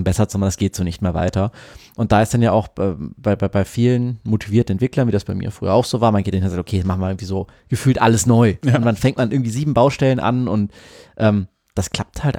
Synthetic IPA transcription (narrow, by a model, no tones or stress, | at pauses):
mbɛsɐt͡sumandasɡ̥eːtz̥oːnɪçt̚meːɐva̰ɪtɐʔʊntd̥aːɪsd̥anjaːʔaʊxɛːb̥aɪbaɪbaɪfiːlənmotʰiviːɐtn̩ɛntv̥ɪklɐnviːdasb̥aɪmḭːɐfʁ̥y̰ːɐ̰aʊxz̥oːvaːɐmanɡeːtanɪnzaktokʰeːmaχn̩viʔɪɡŋ̩tv̥iːzoː | ɡ̥əfyːltʔaləsnɔʏʊnvanfɛŋtmanɪɐɡŋ̩tv̥iːziːbm̩baʊʃtɛlənʔa̰nʊnt | ʔɛːm | d̥askʰl̥ap̚thalt